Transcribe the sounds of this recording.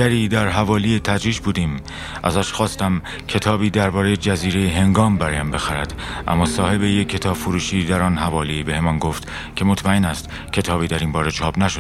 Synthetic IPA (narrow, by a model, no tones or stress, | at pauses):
æɾiːd̪æɾɦævɒːlijet̪ʰæd̪ɾiːʃbuːd̪iːm | ʔæ̰zæʃxɒːst̪æm | cʰe̞t̪ʰɒːbiːd̪æɾbɒːɾe̞jed͡ʒæziːɾe̞jeɦe̞ŋɡɒːmbæɾɒːjæmbe̞xæɾæd̪̥ | ʔæ̰mːɒːsɒːhe̞be̞jekʰːe̞t̪ʰɒːb̥foɾuːʃiːd̪æɾɒnɦævɒːliːbe̞he̞mɒːnɡoft̪ | cʰe̞mo̞t̪ʰmæenæst̪ | cʰe̞t̪ʰɒːbiːd̪æɾinbɒːɾe̞t͡ʃʰɒːb̥næʃod̥̪